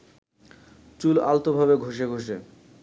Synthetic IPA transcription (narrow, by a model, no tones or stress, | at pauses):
t͡ɕulalt̪obʱabeɡʱoʃ̬eɡʱoʃ̬e